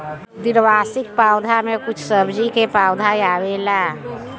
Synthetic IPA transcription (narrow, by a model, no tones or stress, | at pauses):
d̪iɾʋasik̚pawd̪ʱamekut͡ʃʰsəbʱd͡ʒikepawd̪ʱajawela